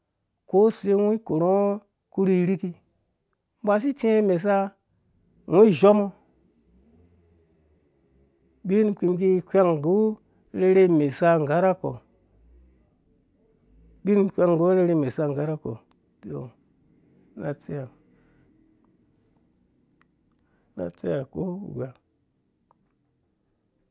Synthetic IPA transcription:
ko˦se˦wũ˦i˦ko˨ɾo˦ | ku˦ɾi˦ɾi˦ki˦ | m˦bʷa˨s̬i˦ti˦e˦me˨s̬a˦ | wũ˦i˦ʒo˦mo˦ | bi˦n˨kʷi˨mki˦kʲʷa˦ŋ˨ɡu˦ | le˦ɾe˦˧me˨sa˦ŋ˨ɡa˦ɾa˦ko̰˨ | ɓi˦n˨kʷʲa˦ŋ˨ɡo˦le˦ɾe˦˧me˨sa˦ŋɡa˦ɾa˦ko̰˨ | do̰˨ | na˨t͡si˦ja˨ | na̰˨t͡se˦ja˨kṵ˦ṵ˨ɡʷa˨

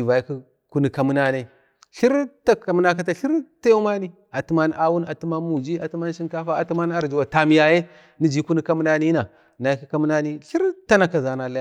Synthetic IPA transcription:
i˨va˨ji˦ki˦ | ku˦ni˨ka˨mu˦na˦ne˦ | ɬi˦ɾta˦ka˨mu˦na˦k̬a˦ta˨ɬi˦ɾta˦ju˦ma˦ni˦ | a˨tu˦ma˦n˦ʔa˦wu˦na˨tu˦ma˦mu˨d͡ʒi˦a˨tu˦ma˦n˦ʃi˦nka˦fa˦a˨tu˦ma˦n˦a˨ɾd͡ʒu˨wa˨ta˨mi˨ja˨je˦ | ni˦d͡ʒi˦ku˦ni˦ka˦mu˦na˦ni˦na˨ | na˨i˦ki˦ka˦mu˦na˦ni˦ɬi˦ɾta˦na˨ka˨za˨na˨la˦ja˦

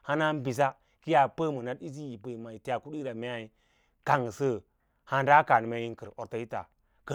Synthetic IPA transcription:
ha˦na˦m˦bi˨s̬a˦ | ki˦ja˨pə˦mu˨na˦di˦z̬i˦ji˨bə˨i˨ma˨i˨ti˦ja˨ku˦ɗi˦ɾa˨me˦a˦i˦ | ka˨ŋ˨sə˦ | ha˦n˦da˦ka˨n˨ma˦ji˦ŋkə˨ɾo˨ɾta˦i˦ta̰˨ | kə˨

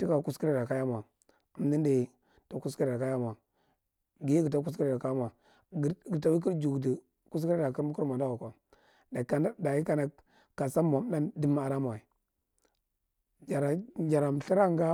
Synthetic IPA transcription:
ti˦ka˨ku˦ski˦ɾi˦ɾa˨ka˦ja˦ma˨ | ə˨m˦di˦ndi˨ | ta˨ku˦s̬ki˦ɾi˨ɾa˨ka˦ja˦m˨a˨ | ɡi˨˦ɡə˨ta˦k̬u˦ski˦ɾi˨ɾa˨ka˦jma˨ | ɡə˨ta˦wi˦k̬i˦ɾd͡ʒu˨ɡdi˨ | ku˦s̬ki˦ɾi˦ɾa˨ki˦ɾu˦ku˦ɾma˨nda˦u˨ka˨ | da˨ka˨na˦da˨ji˦ka˦na˨ | ka˨sa˦ma˨m˦na˦ndi˦m˦a˨ɾa˦ma˨i˨ | d͡ʒa˨ɾa˨d͡ʒa˨ɾa˨m˨ɬi˦ɾa˦˨ŋɡa˦

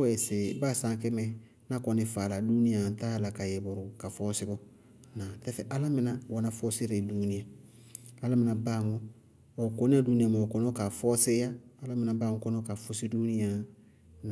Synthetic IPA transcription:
ɛ˨se˨baː˦˨sã˨˦kɛ˦mɛ˦ | na˦kɔ˨ni˨fa˨la˨du˦ni˦ã˨taː˦la˨ka˨je˨bɔ˨ɾu˨ka˨fɔ˦si˦ɡɔ˦ | na˨tɛ˦fɛ˨ʔa˦la˦mi˦na˨wa˨na˨fɔ˦se˦ɾa˨du˦ni˦a˨ | a˦la˦mĩ˨na˨ba˦˨ŋo˦ | o˨ko˦ni˦a˦du˦ni˦a˨mã˨o˨kɔ˦nɔ˦ka˨fɔ˦se˦jaː˦la˦mĩ˨na˨baː˦ŋɔ˦kɔ˦nɔ˦ka˨fo˦si˦du˦ni˦ja˨ | na˨

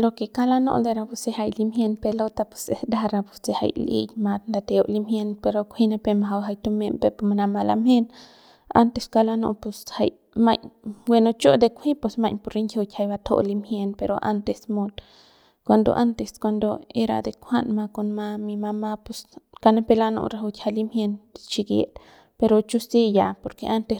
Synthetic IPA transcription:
lokekalano̰˦ʔd̪eɾapusehajlimhjenpelot̪ape̥sesd̪aɾapu̥sseha̰jlḭjmat̪nd̪at̪eoʔlimhjenpeɾokʷʰinapemaɦawɦajt̪omempepmanamala̰mhe˦n | a̰nt̪eskalano̰˧ʔpusha̰j | maɲwe˧no˧t͡ʃo˦d̪e˧kʷʰi˦pe˧sma˧jɲpo˧ɾi˦ŋkʰʲo˧t̪ʲha˧jba˧t̪ʰo̰˧ʔli˧mhje˧npeɾoʔa̰˦nt̪e˧smo˧t̪ | kʷand̪o̰˨ʔa˦nt̪e˧skwʷa˧nd̪o˧e˦ɾa̰˧d̪e˧kʰʷa˦nma˧ko˧nma˧mi˧ma˧ma˦pu˧ska˧ne˦pe˧la˦no̰˧ɾa˧ɦu˧t̪ʲha˧li˧mhje˧nt͡ʃi˧ɡḛ˨t̪ | pe˧ɾo˧t͡ʃu˦si˦ja˨po˧ɾke˧ʔa˦nt̪e˧

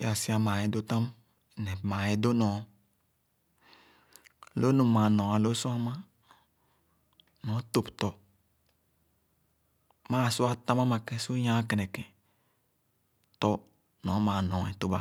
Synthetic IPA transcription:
ja˨si˦a˦mãː˨je˨do˦t̪ã˦m˨ | nɛ˨mã˨e˨do˦nɔ̃˨˦˨ | lo˦nu˨mã˨nɔ̃˨a˨lo˦su˦a˦mã˦ | nɔ̃˨˦t̪o˨pt̪ɔ˨ | maː˦˨sʊ˦a˦t̪ã˦ma˦ma˨kɛ˦so˦ɲã˦kɛ˨nɛ˨kɛ̃˨ | t̪ɔ˦ | nɔ̃˨˦mã˨nɔ̃˨ɛ̰˨to˦ba˨

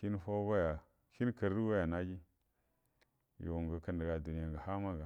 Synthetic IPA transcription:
ʃi˦n˦fa˦ba˦ja˨ | ʃi˦n˦kə˨ɾi˦wa˦ja˨na˦d͡ʒi˦ | jo̰˨ŋɡə˨kə˨ndə˨ɡa˨du˨ni˦ja˨ŋɡa˨ha˦ma˦ɡa˨

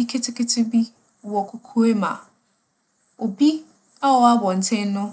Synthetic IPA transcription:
i˦kʰe˦tʰɪ˦kɪ˦tʰɪ˦bi˦˨ | wɔ˨kʰʊ˨kʰu˦e˦mã̰˨ | o˨bi˦ | a˦ɔ˨a˦bɔ̃˨n̩˨tʰɛ̃˦n˦nʊ̃˦

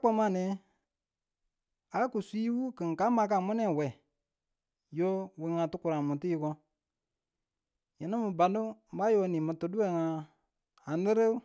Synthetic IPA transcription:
k͡pɔ˧˦ma˦˨nɛ̃˨˦ | a˨lku˨si˦wu˦kɨ˨ŋ˨ka˨˦ma˧˦k̬a˨mu˦nɛ̃˦˨wɛ˨ | jo˦we˧˦ŋã˨tɨ˦ku˨ɾa˨mũ˨ti˦i˧kɔ˧ | jə˨nə˦mɨ˧ba˨ndu˦m̩˦ba˦jo˧˦nĩ˨mɨ̃˧˨tɨ˨du˦ɛ˨ŋã˧ | a˨n˦lɨ˦ɾɨ˦

